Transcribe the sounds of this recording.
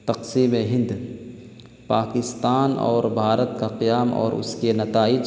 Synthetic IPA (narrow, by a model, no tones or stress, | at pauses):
t̪ɐqsiːmeɦɪ̃nd̪ | paːkɪst̪aːnɔ̰ːɾbʱaːɾət̪kaqɪjaːmɔ̰ːɾʊ̰skenɐt̪aːɪd͡ʒ